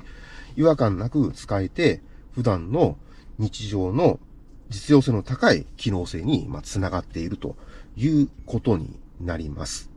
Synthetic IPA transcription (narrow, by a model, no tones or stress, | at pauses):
iβakãnːakɯ̟t͡sɨ̥kaet̪e̞ | ɸɯ̟d̪ãnːo̞ | ɲ̟it͡ɕiʑo̞ːno̞ | d͡ʑit͡sɨjo̞ːse̞ːno̞t̪akaḭkʲino̞ːse̞ːɲ̟ima̰t͡sɨnaɡat̪ːe̞iɾɯ̟t̪o̞̰jɯ̟ːko̞t̪o̞ɲ̟ḭnaɾʲima̰sɨ̥